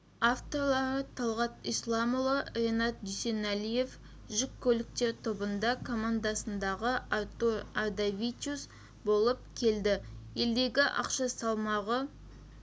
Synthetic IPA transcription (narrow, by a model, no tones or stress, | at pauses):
aft̪o̞rlˠɑɾət̪ʰɑlˠʁɑt̪ijslˠɑmlˠəre̞nɑt̪̚d̪ʏse̞nælije̞f | ʒɪkʲʰːɵlɪk̚t̪e̞ɾt̪ʰo̞bənd̪ɑkʰo̞mand̪asənd̪ɑʁəat̪oad̪avʲit̪ʲus | bo̞lˠəp̚kʲʰe̞ld̪ɪje̞ld̪e̞ɡʲɪʔɑ̰qʃɑsɑlˠmɑʁə